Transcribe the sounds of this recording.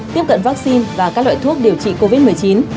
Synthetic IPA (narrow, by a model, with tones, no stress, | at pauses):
t̪i˦˥əp̚kə̰˧˨nva˦˥k̚si˧nvaː˨˩kaː˦˥k̚lwa̰ː˧˨jt̪ʰu˦˥ək̚ɗi˨˩əwt͡ɕḭ˧˨ko˧vi˦˥t̚mɨ˨˩əjt͡ɕi˨˦n